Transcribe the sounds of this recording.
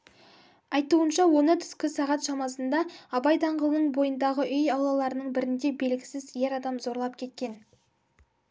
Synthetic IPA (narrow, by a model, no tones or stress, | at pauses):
ɑjt̪uənʃɑwo̞nət̪ʰʏ̥skʲɪsɑʁɑt̪ʃɑmɑsənd̪ɑɑbɑjd̪ɑɴʁəlˠnəɴbo̞jənd̪ɑʁəʔʏjɑwlˠɑlˠɑɾənəɴbɪɾɪnd̪e̞be̞lɡʲɪsɪzje̞ɾɑd̪ɑmzo̞ɾlˠɑp̚kʲʰe̞t̪̚kʲe̞n